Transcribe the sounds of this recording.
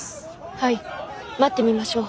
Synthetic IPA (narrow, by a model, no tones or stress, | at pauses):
hai | mat̪ːe̞mʲimaɕo̞ː